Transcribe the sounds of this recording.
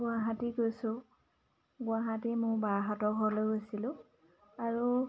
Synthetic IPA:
ɡʊaɦatiɡojsʊ̃ | ɡʊaɦatɛmʊbaɦɔtɔɦɔɹlojɦojsilʊ̃ | aɹu

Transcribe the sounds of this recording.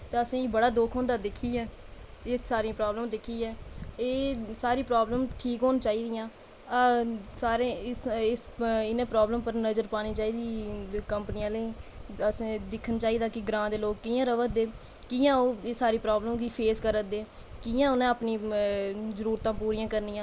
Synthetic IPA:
t̪eːəsĩːbəɽaːd̪oːkʰõːnd̪aːd̪ɪkʰiːɛːeːsaːɾiãpɾɔːbləmd̪ɪkʰːiːɛːeːsaːɾiːpɾoːbləmʈʰiːkɦoːnt͡ʃaːiːd̪ɪjãː | saːɾeːɪsɪnẽːpɾɔːbləmpəɾnəzəɾpaːniːt͡ʃaːiːd̪iːkəmpnɪjãːləiːəsːd̪ɪkʰːənt͡ʃaːiːd̪aːkɪɡɾãːd̪eːloːkːiːãːɾəʋəd̪eː | kɪːãːoːeːsaːɾiːpɾɔːbləmɡipʰeːskəɾəd̪eː | kɪːjãːʊnãəpniː | zəɾuːɾt̪ãːpuːɾiːãːkəɾnijãː

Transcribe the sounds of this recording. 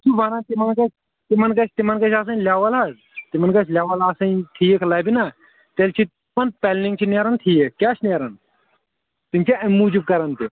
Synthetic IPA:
t͡ʃubaːnat̪imɐnkɐt͡ʃʰ | t̪imɐnkɐt͡ʃʰt̪imɐnkɐt͡ʃʰaːs̬ɐnlʲaːʋɐla | t̪imɐnkɐt͡ʃʰlʲjaːʋɐlaːsɐnt̪ʰijekʰlɐːbina | t̪elʲt͡ʃʰi | mɐnpelnĩŋt͡ʃʰineɾɐnt̪ʰijekʲaːt͡ʃʰneːɾɐn | t̪imt͡ʃʰiɐmuːd͡ʒib̚kɐɾɐnt̪i

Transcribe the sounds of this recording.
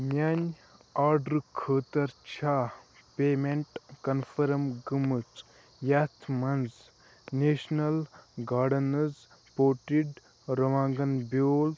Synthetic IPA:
mʲanʲ | aːɾɖɾkʰəːt̪ɐɾt͡ʃʰaːpeːmeɳʈkɐnfʰɐɾɐmɡɨmɨt͡s | jat̪ʰmɐnz | neːʃnɐlɡaːɖɐnɐz | poːʈiɖ | ɾɐʋãːŋɡɐnbʲoːl

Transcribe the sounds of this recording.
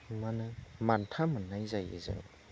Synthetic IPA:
manɯmantʰamɯnːajzajɯ̰zɯ̰

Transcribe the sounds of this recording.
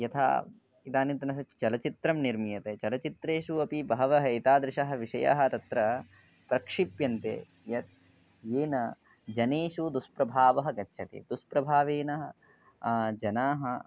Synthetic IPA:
jɐt̪ʰa̰ː | it̪aːnint̪ɐnɐsɐt͡ʃɐlɐt͡ʃit̪ɾɐmniɾmijɐt̪eːt͡ʃɐlɐt͡ʃit̪ɾeːʃuɐpibɐɦɐʋɐɦɐjt̪aːd̪ɾɪʃɐɦɐ̆ʋiʂɐja̰ɦɐ̆t̪ɐt̪ɾɐ | pɾɐkʂipjɐnt̪ḛː | jɐt̪̚ | eːnɐ | d͡ʒɐneːʃud̪uspɾɐbʱaːʋɐɦɐɡɐtːʃʰɐt̪ḭd̪uspɾɐbʱaːʋeːnɐɦɐ | d͡ʒɐnaːɦɐ

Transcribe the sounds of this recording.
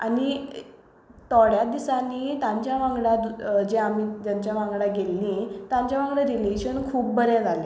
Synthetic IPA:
a̰ni | t̪ɔɽjad̪isaniːt̪ãɲt͡ɕjaʋãŋɡɽad̪d͡ʑeamiːd͡ʑ̪jãɲt͡ɕjaʋãŋɡɽaɡelːit̪ãɲt͡ɕjaʋãŋɡɭãɾileɕənkʰuːp̚bəɾɛ̃d͡zʱali

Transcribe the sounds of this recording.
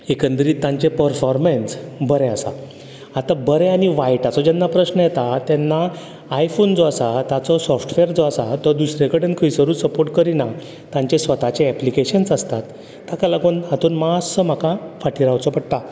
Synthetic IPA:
ekənd̪ɾiːt̪ːãɲt͡ɕepəɾfɔɾmensbəɾeasa̰ | at̪abəɾeaɽ̃iʋajʈat͡sɔd͡ʑɛnːapɾəɕnəjɛt̪at̪ɛnːaː | jfond͡zɔasat̪at͡sɔsɔfʈʋeɾd͡zɔasat̪əd̪usɾekəɖẽɳʈkʰəjsəɾuːsəpoɾʈkəɾina | t̪ãɲt͡ɕesʋət̪at͡ɕeɛplikeɕənsəst̪at̪ː | akalaɡonɦat̪uːnmasəm̤akafaʈiɾawt͡sɔpəɽt̪a

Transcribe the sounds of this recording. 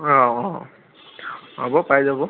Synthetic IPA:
ɔɔ̃ | abɔpajzabɔ

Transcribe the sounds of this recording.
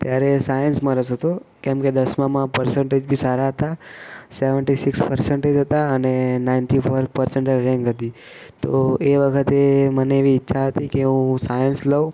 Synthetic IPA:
t̪jaɾesajənsməɾəsɦət̪okɛ̃mked̪əsmãmãpəɾsəɳʈed͡ʒbʱisaɾaɦət̪aseʋəɳʈisikspəɾsəɳʈed͡ʒɦət̪aənenaɪnʈifʰoɾpəɾsəɳʈəɾɛ̃ŋɡɦət̪i | t̪oeʋəkʰət̪eməneːʋiːtːʃʰaɦət̪ikeɦũsajənsləu

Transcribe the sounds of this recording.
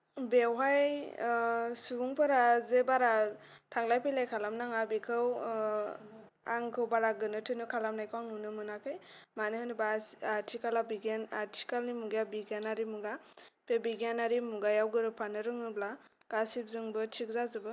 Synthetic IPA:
bewɦaj | subuŋpʰɯɾazebaɾatʰaŋlajpʰejlajkʰalamnaŋabikʰɯw | a̰ŋkʰɯwbaɾaɡɯnɯtʰɯnɯkʰalamnajkʰawnunɯmɯnakʰɯjmanɯhɯnɯbaatʰikalabiɡenatʰi̥kalnimuɡjabiɡanaɾimuɡapʰebiɡanaɾimuɡajawɡɯɾɯpʰanɯɾɯŋɯbla | ɡ̥asip̚zɯŋbɯtʰik̚zazɯbɯ

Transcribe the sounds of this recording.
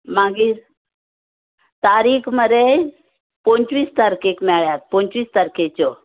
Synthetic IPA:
mãɡi | t̪aːɾiːkʰməɾe | põɲt͡ʃʋiːst̪əɾkekmɛɭjat̪̚põɲt͡ɕʋiːst̪əɾket͡ɕo

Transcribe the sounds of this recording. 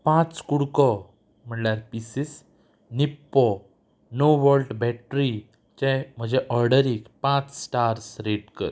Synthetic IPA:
pãt͡skuɽkɔ | m̤əɳljaɾpisis | nipːɔ | noʋəlʈbɛʈɾi | t͡ɕẽm̤əd͡ʑeʔɔɾɖəɾikpãt͡ssʈaɾsɾeʈkə̰ɾ

